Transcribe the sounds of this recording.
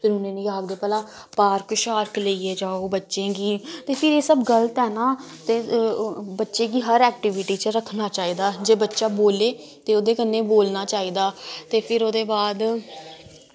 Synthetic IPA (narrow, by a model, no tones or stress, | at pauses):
pʰɪɾʊnẽːnĩːaːɡd̪eːpɛːlãː | paːɾkʃaːɾkleiːeːd͡ʒaːoːbətːʃẽːɡiːt̪eːpʰɪɾeːsəbɡəlt̪ɦɛːnaː | t̪eː | bətːʃeːɡiːɦəɾɛːk̚ʈɪʋɪʈiːt͡ʃəɾəkʰnaːt͡ʃaːiːd̪aːd͡ʒeːbətːʃaːboːleː | t̪eːoːd̪eːkənːeːboːlnaːt͡ʃaːiːd̪aːt̪eːpʰɪɾoːd̪eːbaːd̪